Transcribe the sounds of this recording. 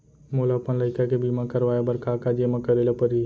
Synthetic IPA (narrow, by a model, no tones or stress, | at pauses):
molapənləɪkakebimãkəɾʋaːjabɐɾkaːkad͡ʒemãkəɾeːlapəɾi